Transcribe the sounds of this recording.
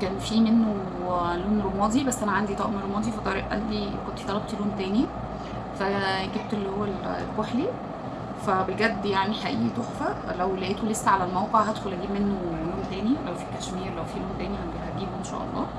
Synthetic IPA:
kæːnfiːmenːo | loːnɾomɑːd̪ibæsːʔænæʕand̪it̪ˤɑʔmiɾˤomɑːd̪ˤifæt̪ˤɑɾḭʔʔæ̰nd̪ikont̪i̥t̪ɑlɑb̚t̪loːnt̪æːni | fæɡib̚t̪elːihowːæl̰lkoħli | fæbelɡæd̪ːjaʕniħaʔḭːʔt̪oxfælæwlæʔeːt̪olesːæʕalælmæwqeʕɦæd̪xolʔæɡiːbmenːoloːnt̪æːniʔæwfiːkæʃmiːɾlæwfiːloːnt̪æːnihænd̪ihæɡiːboʔenʃæ̰ʔɑ̰lˤːɑ̰ː

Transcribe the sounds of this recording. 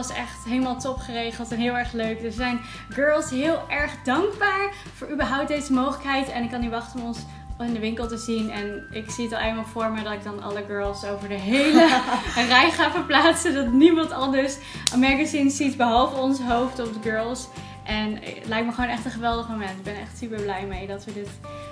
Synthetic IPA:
ɑsɛχtɦejləmaːlˠtɔpχərejχəlˠtɛnɦɪːlˠɛɹχløɥkdəɹzɛjn | ɡøɹlˠsɦɪːlˠʔɛɹχdɑŋɡbaːɹ | vʊːɹybəɹɦʌwp̚dejzəmowχələkɦɛjtɛnɪkːɑniʋɑχtənɔmɔns | ɪndəʋɪŋkəlˠtəzinɛnɪksiətɑlˠejlmaːlˠvʊːɹmədɑtɪɡ̚dɑnɑ̰ləɡɜːɹlˠsowvəɹdəɦejlərɛjχaːfəɹplaːtsədɑtnimɑntɑndəɹs | mɛɡazinsitbəɦɑlˠvəɔnsəɦowftɔfdəɡøːɹlˠs | ʔɛn̰tlɛjt̚məχəʋoːwnɛχtə̃nχəʋɛlˠdəχmowmɛntɪɡ̚bɛnɛ̰χtsypəɹblɛjmejdɑtʋədɪt

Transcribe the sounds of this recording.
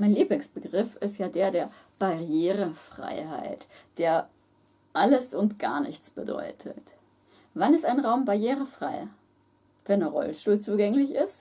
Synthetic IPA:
maɪnliːblɪŋsb̥əɡʁɪfɪstjaːdeːɐdeːɐ | b̥aʁjeːʁ̞əfʁ̥a̰ɪha̰ɪtd̥eːɐ | ʔaləsʊntɡ̥a̰ːɐnɪ̰çt͡sb̥ədɔ̰ʏtʰə̰t | vanɪstaɪnʁaʊmbaɐjeːʁəfʁ̥aɪ | fɛɐnəʁɔ̰lʃtuːlt͡suːɡɛŋlɪçɪst

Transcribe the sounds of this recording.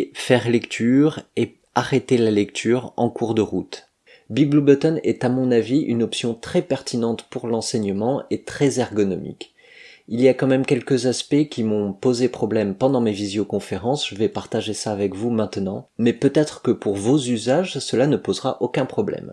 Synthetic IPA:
fɛʁlɛkt̪ʰyʁe | aʁet̪elalɛkt̪ʰyːʁɑ̰̃kuʁd̪əʁut̪ | biɡ̚blubɔt̪ɔnɛ̰t̪amɔ̃naviʔy̰nɔpsjɔ̃t̪χɛpɛʁt̪ʰinɑ̃t̪puʁlɑ̃sɛɲəmɑ̃et̪χɛzaʁɡɔnɔmḭk | iliakɑ̃mɛmkʲɛlkəzaspɛkʲimɔ̃pozepχɔblɛmpɑ̃d̪ɑ̃mevizjokɔ̃feʁɑ̃sʒ̥əvɛpaʁt̪aʒesaːvɛkvumɛ̃t̪nɑ̃mɛpøt̪ɛt̪χəkəpuʁvozyzaʒsəlanəpozʁaʔokʲɛ̃pχɔblɛ̰m

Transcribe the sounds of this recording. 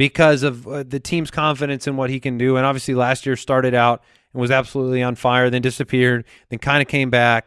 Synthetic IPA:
b̥ɨkʰʌzʌvðɨtʰĩmz̥kʰɑ̃ɱfɨɾɨ̃nsɨ̃nwʌt̚hikɨ̃ndɨə̃nɑbviəslilæst̚jɪɹstɑɹɾɨɾaʊɾ̃̚ | n̩wʌzæb̥səlutˡliə̃nfaɪə˞ðɨ̃ndɪsɨpʰɪɹd̚ | ðɨ̃nkʰãɪ̃ndɨkʰẽɪ̃mbæk̚

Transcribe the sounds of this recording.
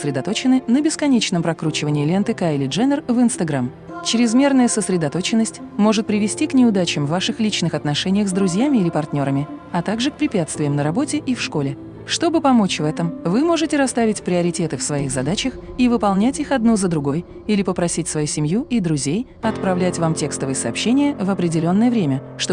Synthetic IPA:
səsɾʲɪd̪ɐt̪o̞t͡ɕɪnɨnəbʲɪskɐnʲet͡ɕnəmpɾɐkɾut͡ɕɪvənʲɪːlʲɪɛnt̪ɨkaɪlʲɪʐɛnʲərvɨnst̪ɐɡɾam | t͡ɕɾʲɪzmʲe̞rnəjəsəsɾʲɪd̪ɐt̪o̞t͡ɕɪnːəsʲtʲmo̞ʐɨt̪̚pɾʲɪvʲɪsʲtʲiknʲɪʊd̪at͡ɕɪmvːaʂɨxlʲit͡ɕnɨxɐt̪nɐʂɛnʲɪjəxzd̪ɾʊzʲjamʲɪilʲɪpɐrt̪ʲnʲo̞ɾəmʲɪɐt̪aɡʐɨk̚pɾʲɪpʲat̪st̪vʲɪjəmnəɾɐbo̞tʲɪʔifʂko̞lʲɪ | ʂt̪o̞bɨpɐmo̞t͡ɕvɛt̪əmvɨmo̞ʐɨtʲɪɾɐst̪avʲɪtʲpɾʲɪɐɾʲɪtʲe̞t̪ɨfsvɐixzɐd̪at͡ɕəxivɨpɐlˠnʲætʲixɐd̪nuzəd̪ɾʊɡo̞j | ilʲɪpəpɾɐsʲitʲsvɐjusʲɪmʲjuid̪ɾʊzʲej | ɐt̪pɾɐvlʲætʲvamtʲe̞kst̪əvɨjəsɐːpɕːenʲɪjəvəpɾʲɪdʲɪlʲo̞nːəjəvɾʲemʲəʂt̪o

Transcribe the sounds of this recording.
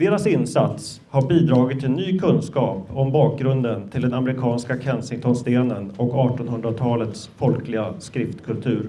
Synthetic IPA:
d̪̥eːɾasɪnːsat̪s | haɾbiːd̪ɾɑːɡɪt̪ʰːɛnːyːkʰɵnːskɑːpɔmbɑːk̚ɡɾɵnd̪ənt̪ʰɪld̪ɛnamɾɪkʰɑːnskakʰɛnsɪŋt̪ʰɔnst̪eːnənɔkɑːʈɔnhɵnd̪ɾat̪ʰɑːlət̪sfɔlkʰlɪɡaskɾɪft̪kʰɵlt̪ʰʉ̟ːɾ

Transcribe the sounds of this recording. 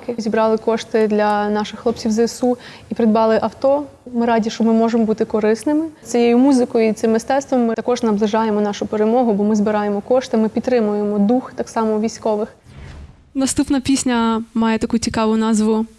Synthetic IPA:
kɪzʲibɾɑlˠɪkɔʃt̪ɪd̪lʲɐnɑʃɪxːlˠɔpt͡sʲiwzɐɪsu | ipɾɪd̪bɑlˠɪʔɐwt̪ɔmɪɾɑdʲiʃt͡ʃɔmɪmɔʒemɔbut̪ɪkɔɾɪsnɪmɪsʲijejʊmuzɪkɔjʊit̪sɪmːɪst̪ɛt̪st̪ʋɔmːɪt̪ɐkɔʒnɐblˠɪʒɑjemɔnɑʃʊpeɾemɔɦʊbɔmɪzbɪɾɑjemɔkɔʃt̪ɪmɪpʲit̪t̪ɾɪmʊjemɔd̪uxt̪ɑksɑmɔʋʲijsʲkɔʋɪx | nɐst̪upnɐpʲisʲnʲɐmɑjet̪ɐkut͡sʲikɑʋʊnɑzʋʊ

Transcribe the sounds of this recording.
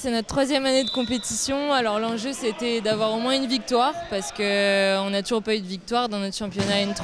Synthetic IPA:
sɛnɔt̪t̪ːχwazjɛmaned̪əkɔ̃pet̪isjɔ̃alɔʁlɑ̃ʒøset̪ɛd̪avwaʁomwɛ̃ynvik̚t̪waːʁpaʁsə̥kəɔ̃nat̪uʒuʁpayd̪əvik̚t̪waʁd̪ɑ̃nɔt̪χʃɑ̃pjɔnaynt̪χ

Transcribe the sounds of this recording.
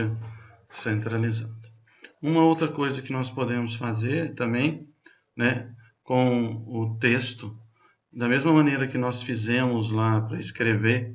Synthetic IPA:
ɐsẽnt̪ɾalizad̪ʊ | ũmɐowt̪ɾɐkojzɐkɪnɔspod̪ẽmʊsfazeɾɛt̪ɐ̃mbẽj̃ | nɛ | kõw̃ʊt̪est̪ʊ | d̪ɐmezmɐmɐ̃nejɾɐkɪnɔsfizẽmʊzlapɾɐɪskɾeve

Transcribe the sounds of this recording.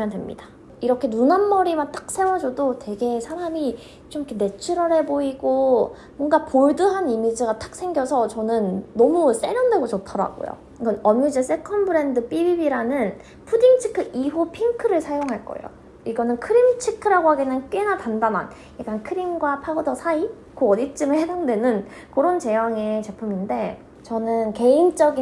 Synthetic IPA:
mandwemɲḭd̥ḁ | iɾʌkʰe̞nunanmʌɾimant͈ak̚s͈ʰewʌd͡ʑodote̞ɡe̞sʰaɾami | t͡ɕ͈omikʰene̞t͡ɕʰuɾʌɾɦe̞boiɡo | mwʌnɡapoɭdɯɦanimid͡ʑiɡat͈ak̚sʰe̞ŋɡjʌsʰʌt͡ɕʌnɯnːʌmus͈e̞ɾjʌndwe̞ɡot͡ɕotʰʌɾa̰ɡo̰jo̰ | ɡʌnʌmud͡ʑes͈ekʰʌnbɯɾe̞ndɯp͈ibibiɾanɯn | pʰudiŋt͡ɕʰi̥kʰɯʔiɦupʰiŋkʰɯɾɯɭsʰajoŋɦaɭk͈ʌ̰ḛjo̰ | iɡʌnɯnkʰɯɾimt͡ɕʰikʰɯɾaɡoɦaɡenɯnk͈enatandana̰n | jak͈ankʰɯɾimɡwapʰaodʌsʰai | koʌdit͡ɕ͈ɯmɯɭhedaŋdwe̞nɯn | kɯɾʌnt͡ɕe̞jʌŋe̞t͡ɕe̞pʰuminde̞ | t͡ɕʌnɯnke̞int͡ɕ͈ʌɡi

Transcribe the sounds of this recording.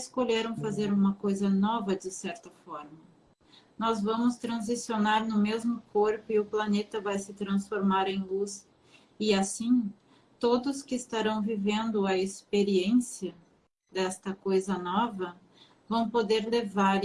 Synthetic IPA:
skoʎeɾɐ̃w̃fazeɾũmɐkojzɐnɔvɐd͡ʒɪsɛɾt̪ɐfɔɾmɐ | nɔzvɐ̃mʊst̪ɾɐ̃zisionaɾnʊmezmʊkoɾpʊɪʊplanet̪ɐvajsɪt̪ɾɐ̃sfoɾmaɾẽj̃lus | ɪasĩ | t̪od̪ʊskɪːst̪aɾɐ̃w̃vivẽnd̪ʊɐespeɾiẽsiɐ | d̪ɛst̪ɐkojzɐnɔvɐ | vɐ̃w̃pod̪eɾlevaɾ

